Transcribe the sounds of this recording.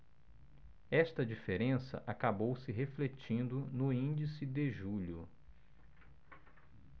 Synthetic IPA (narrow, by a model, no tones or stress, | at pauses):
ɛst̪ɐd͡ʒifeɾẽsɐ̰ʔakabowsɪɦeflet͡ʃĩnd̪ʊnʊĩd͡ʒisɪd̪ɪʒuʎʊ